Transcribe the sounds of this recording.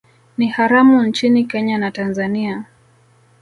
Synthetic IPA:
nihaɾamunt͡ʃinikɛɲanatanzania

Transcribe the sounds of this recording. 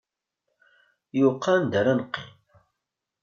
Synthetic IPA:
juqʰːɑnd̪æɾanqːḭm

